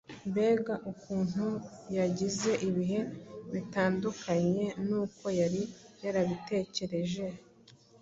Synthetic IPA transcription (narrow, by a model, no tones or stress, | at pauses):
mbe̞ːɡaʔukuːn̥hujaɟize̞ʔiβiɦe̞βitaːndukʰaɲe̞nuːko̞jaɾijaɾaβite̞ːce̞ɾe̞ʒe